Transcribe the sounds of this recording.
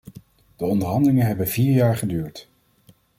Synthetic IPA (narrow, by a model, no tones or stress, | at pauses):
d̥əɔndəɹɦɑndəlɪŋəɦɛbənviːɹjaːɹχədyːɹt